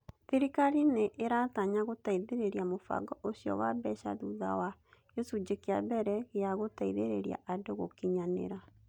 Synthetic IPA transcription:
θeɾikaɾineʔeɾataɲaɣotaiðeɾeɾiamofa̰ɡɔʔosjɔ̰wabɛɕa̰ðuða̰wajosud͡ʑekeabɛɾɛɣeaɣotaiðeɾeɾia̰ʔadoɣo̰kiɲanḛɾa

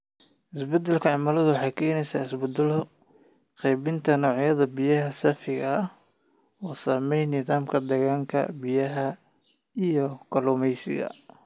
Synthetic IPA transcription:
ʔɪsbɛd̪ɛlkʰɐʕɑmɐːlɐðʊwɑħɑjkʰɛːjnɛjsaːɪsbʊd̪ɛl | qɛjβɪnt̪ʰɐnɔːʕjɐðɐbɪjɐɦɐsɐfɪɣɐ | ɔːsaːmɛjnɪðaːmkʰɐd̪ɛɣaːŋkʰɐ̰bɪjɐɦɐ | ijɔkʰɐlʊːmɛjsɪ̰ɣɐ̰

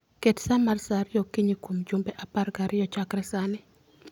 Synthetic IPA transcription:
ketsamarsaɾɪjokiɲikomd͡ʒumbɛʔaparɡaɾʔɪjɔt͡ʃakɾɛsanɪ

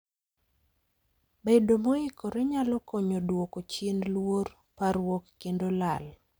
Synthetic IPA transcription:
bedomoɪkoɾeɲalɔkoɲodwokot͡ʃinlwor | paɾwokːendolal

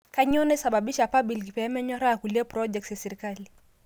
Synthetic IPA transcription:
kaɲɔnɛsaɓaɓiʃapaɓilkipɛamɛɲɔɾaakuliɛpɾɔd͡ʒɛk̚tjasɛɾikali

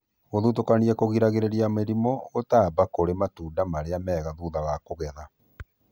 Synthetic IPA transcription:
ɣoðutokaniɛkoɣiɾaɣeɾeɾiameɾimɔɣotaːbakoɾematuːdamaɾeamɛːɣaðuðaɣakoɣɛða

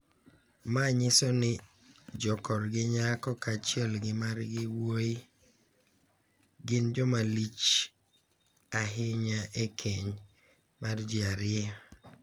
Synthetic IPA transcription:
maɲɪsɔnɪ | d͡ʒɔkɔɾɡɪɲakɔkat͡ʃjɛlɡɪmarɡɪwoi | ɡɪnd͡ʒɔmalit͡ʃ | aɦɪɲaʔekʰeɲ | mard͡ʒɪaɾɪɛ

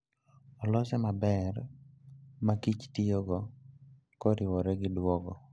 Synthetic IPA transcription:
ɔlɔsɛmabɛr | makit͡ʃtijoɡɔ | koɾɪwɔɾɛɡɪdwɔɡɔ

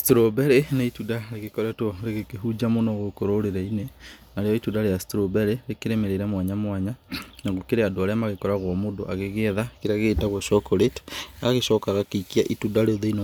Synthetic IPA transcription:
stɾobɛɾeneitudaɾeɣekɔɾɛtwɔɾeɣekeɦud͡ʒamonɔɣokoɾoɾeɾɛinenaɾejɔitundaɾeastɾobɛɾeɾekeɾemeɾeɾɛmwaɲamwaɲanaŋɣokeɾeadoaɾeamaɣekɔɾaɣwɔmoːndo̰ʔaɣeɣeðakeɾeaɣeːtaɣwɔʃɔkoɾetaɣeʃɔkaɣakekiaʔitudaɾeoðein

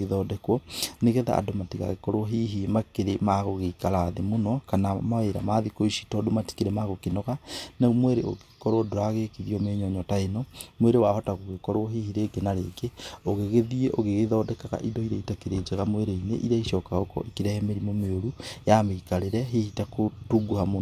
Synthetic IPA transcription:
eðɔdɛkwɔneɣeða̰a̰domatiɣa̰ɣekɔɾwɔɦiɦimakeɾemaɣoɣeikaɾaːðemonɔkanamaeɾa̰maðikoiʃi̥tɔdomati̥keɾɛmaɣokenɔɣanemwɛɾeo̰ɣekɔɾwɔdoɾaɣekeðiɔmeɲɔɲɔtaenɔmweɾewahɔtaɣoɣekɔɾoɔɦihiɾeɡenaɾeɡeoɣeɣeðieʔoɣeɣeðɔdɛkaɣa̰ʔidɔiɾaitakeɾeːd͡ʒeɣamweɾeinḛʔiɾaiʃɔkaɣokɔ̰ekiɾɛhɛmeɾimomeoɾujameikaɾeɾɛɦihitakotuɡuhamon

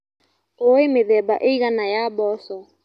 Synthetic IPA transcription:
oemeðɛbaʔeiɣanajabɔsɔ

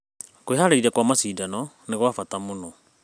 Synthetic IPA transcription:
koiɦaɾeiɾɛkwamasiːdanɔ | neɣwafatamonɔ

